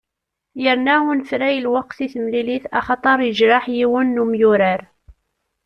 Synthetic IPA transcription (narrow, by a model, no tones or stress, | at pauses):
jəɾnæhunəfɾæjlwɑq̚θiθəmliliθæχɑt̪ˤɑɾˤjəʒɾaħjiwənːumjuɾəɾ